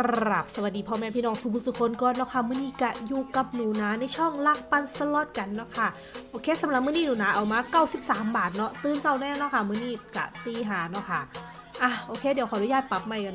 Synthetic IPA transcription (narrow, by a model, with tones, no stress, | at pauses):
ɾɾa˨˩p̚sa˧wa˨˩diː˨˧pʰɔː˧˨mɛː˧pʰiː˧˨nɔː˧˥˩ŋsuː˨˧˩u˧˩su˧˩kʰo˧nkɔː˧nːɔ˧˥kʰa˧˥˩mɯː˧˩˨niː˥˩˨ka˧˩juː˨˧˩ka˨˩p̚nuː˨˦naː˨˦na˧jt͡ɕʰɔ˥˩˨ŋla˧˩k̚pa˧nsa˧lɔ˧˥˩t̪̚ka˧nːɔ˧˥˩kʰa˥˩ | ʔʔoː˧kʰeː˧˥˨sa˨˦la˨˩p̚mɯː˧˥˨niː˥˩nuː˨˩˦naː˨˧˥ʔa˨˩wmaː˧kaː˧˥˩wsi˨˩p̚saː˩˦mbaː˨˩t̪̚nɔ˦˥t̪ɯː˧nsa˧˩wnɛː˧˩˨nɔ˧˥˨kʰa˧˥˩mɯ˧˥˨niː˧˥˩ka̰˧˩t̪iː˧˩ɦaː˨˩˦nɔ˧˥˨kʰa˧˥˩ | ʔa˧˩ʔoː˧kʰeː˧˥˩di˨˦wkʰːdu˨˧˦jaː˧˥˩t̪̚pa˨˩p̚ma˧˩jka˧